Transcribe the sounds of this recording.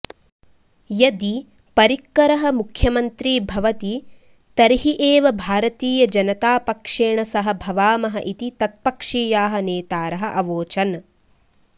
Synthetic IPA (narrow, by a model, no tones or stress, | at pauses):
jɐd̪i | pɐɾikːɐɾɐɦɐ̆mukʰjɐmɐnt̪ɾiːbʱɐʋɐt̪i | t̪ɐɾiɦiʔeːʋɐbʱaːɾɐt̪iːjɐd͡ʒɐnɐt̪aːpɐkʂeːɳɐsɐɦɐ̆bʱɐʋaːmɐɦɐ̰ʔit̪it̪ɐt̪̚pɐkʂiːjaːɦɐ̆neːt̪aːɾɐɦɐ̆ʔɐʋoːt͡ʃɐn